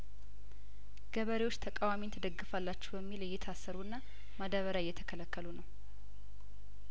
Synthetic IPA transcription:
ɡ̥əβəɾewot͡ʃːt̪ʰəkʼawamint̪ʰəd̪əɡːɨfalːat͡ʃːɛwbəmːilɨjːɛt̪ʰasːəɾuɨnːa | məd̪əβəɾaɪjːɛt̪ʰəkʰələkʰːəlunəw

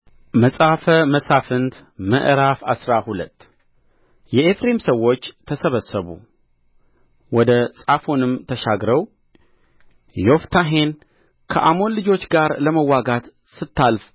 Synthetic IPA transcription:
məsʼafəməsafɨnd̪ | mə̰ʔɾafasɾahulət̪ː | jɛefɾe̞msəwːo̞t͡ʃːt̪ʰəsəβəsːəβṵ | wɔd̪əsʼafo̞nɨmt̪ʰəʃaɡɾəw | jo̞ft̪ʰaɦe̞n | kʰə̰ʔamo̞nlɨd͡ʒo̞t͡ʃːɡaɾləməwːaɡat̪ | sɨt̪ʰːalf

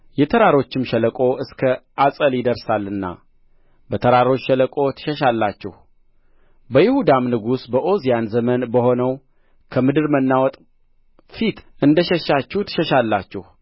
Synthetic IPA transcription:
jɛt̪ʰəɾaɾo̞t͡ʃːɪmʃələkʼo̞ʔɨskʰəʔasʼəljɪd̪əɾsalːɨnːa̰ | bət̪ʰəɾaɾo̞t͡ʃːʃələkʼo̞t̪ʰɨ̥ʃəʃalːat͡ʃːɛ̰h | bəjɪhud̪amnɨɡusbəʔo̞zijanzəmənbəho̞nəw | kʰəmɨd̪ɨɾmənːawɔt̪ʼ | fit̪ɨnd̪əʃɛʃat͡ʃːut̪ʰɨ̥ʃəʃalːat͡ʃːɛ̰h

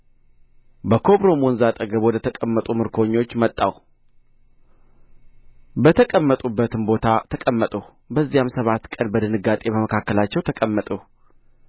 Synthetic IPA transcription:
bəkʰo̞βɾo̞monzat̪ʼəɡəβwɔd̪ət̪ʰəkʼəmːət̪ʼumɨɾkʰo̞ɲːo̞t͡ʃːmət̪ʼːaw | bət̪ʰəkʼəmːət̪ʼubːət̪ɨnbo̞t̪ʰat̪ʰəkʼəmːət̪ʼəh | bəzːijamsəβat̪ːkʼənbəd̪ɨnɨɡat̪ʼe̞bəməkʰakːəlat͡ʃːɛwt̪ʰəkʼəmːət̪ʼuh

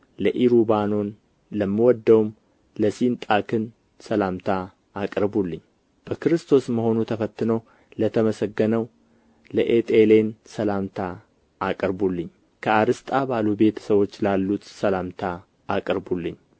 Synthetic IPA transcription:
ləʔiɾubano̞n | ləmːɨwɔd̪ːəwum | ləsint̪ʼakʰɨn | səlamt̪ʰa | akʼɾbulːɨɲː | b̥əkɨɾɨst̪ʰo̞sməho̞nut̪ʰəfət̪ːɨno̞ | lət̪ʰəməsəɡːənəw | ləʔet̪ʼele̞nsəlamt̪ʰa | akʼəɾbulːɨɲ | kʰəaɾɨst̪ʼabalube̞t̪ʰə̥səwo̞t͡ʃːlalːut̪səlamt̪ʰa | akʼəɾbulːɨɲː

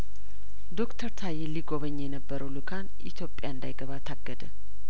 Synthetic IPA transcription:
d̪o̞kt̪ʰəɾt̪ʰajeliɡoβəɲːjɛnəbːəɾʔəwlukʰanʔḭt̪ʰjo̞pʼjaɨnd̪ajɡəβat̪ʰaɡːəd̪ə

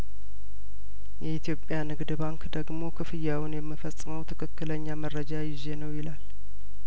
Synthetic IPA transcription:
jɛit̪ʰijo̞pʼːjanɨɡd̪baŋkd̪əɡmo̞kʰɨfɨjːawʊnjɛmːɨfəsʼːɨməwt̪ʰɨ̥kʰɨkːɨləɲːaməɾːəd͡ʒajɪze̞nəwjɪlal

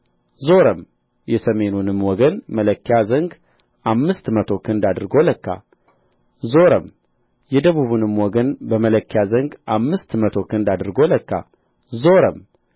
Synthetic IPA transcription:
zo̞ɾəm | jɛsəme̞nunɨmwɔɡənmələkːjazəŋɡ | ʔamːɨst̪mət̪ʰo̞kʰɨnd̪ad̪ɾɡo̞ləkːa̰ | zo̞ɾəm | jɛd̪əβuβunɨmwɔɡənbəmələkːjazəŋɡʔamːɨst̪mət̪ʰo̞kʰɨnd̪ad̪ɨɾɡo̞ləkːa̰ | zo̞ɾəm

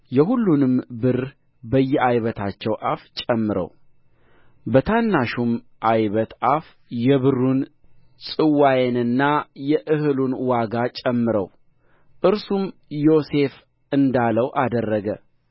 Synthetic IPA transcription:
jɛɦulːunɨmbɨɾ | bəjːɛajβət̪ʰat͡ʃːɛwʔaft͡ʃʼɛmːɨɾə̰w | bət̪ʰanːaʃum | ʔajβət̪ʔaf | jɛβɨrːun | sʼɨwajenɨnːajɛʔɨhɨlunwaɡat͡ʃʼɛmːɨɾə̰w | ʔɨɾsumjo̞se̞f | ɨnd̪aləwʔad̪ərːəɡə

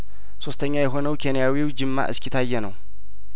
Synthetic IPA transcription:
so̞st̪ʰəɲːajɛɦo̞nəwkʰenijawiwd͡ʒɨmːa̰ʔɨ̰skʰit̪ʰajːɛnə̰w

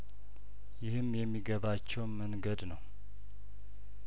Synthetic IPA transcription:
jɪhɨmjɛmːiɡəβat͡ʃːɛwməŋɡəd̪nəw

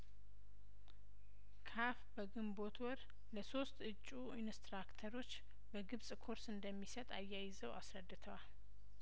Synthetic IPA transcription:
kʰafbəɡɨmbo̞t̪ʰwɔɾ | ləso̞st̪ɨt͡ʃʼːu | inst̪ɾakt̪ʰəɾo̞t͡ʃː | bəɡɨβsʼkʰo̞ɾsɨnd̪əmːisət̪ʼa̰jːajɪzəwasɾəd̪ːɨt̪ʰəwal

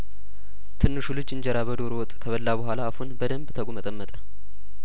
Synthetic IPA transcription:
t̪ʰɨnːɨʃulɨd͡ʒɨɲd͡ʒəɾabəd̪oɾowɔt̪ʼkʰəβəlːabəɦʷalaːfhunbəd̪əmbt̪ʰəɡʷumət̪ʼəmːət̪ʼə̥

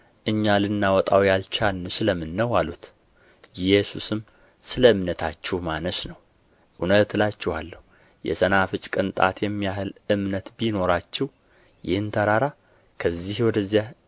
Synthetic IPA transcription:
ʔɨɲːalɨnːawɔt̪ʼawjalt͡ʃʰanːɨʃɨləmːɨnːəwalut̪ | jɛsusɨm | sɨləɨmnət̪ʰat͡ʃːɛhmanəʃnəw | ʔunət̪lat͡ʃːɪhalːəhu | jɛ̰sənafɨt͡ʃʼkʼɨnt̪ʼa̰t̪jɛmːijahɨlɨmnət̪bino̞ɾat͡ʃːɪw | jɪhɨnt̪ʰəɾaɾa | kʰəzːihwɔd̪əzːija

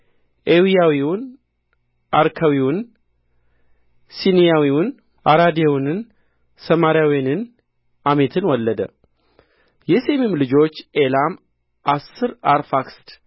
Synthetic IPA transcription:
ʔewijawiwʊn | ʔaɾkʰawiwʊn | sinijawiwʊn | ʔaɾad̪jewnɨn | səmaɾjawijanɨn | ʔame̞t̪ʰɨnwɔlːəd̪ə | jɛse̞mimlɨd͡ʒo̞t͡ʃːʔelam | ʔasːɨɾaɾfakst̪

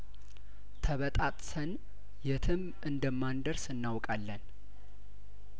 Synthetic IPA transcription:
t̪ʰəβət̪ʼat̪ʼsən | jɛt̪ʰɨm | ɨnd̪əmːand̪əɾsɨnːawkʼalːən

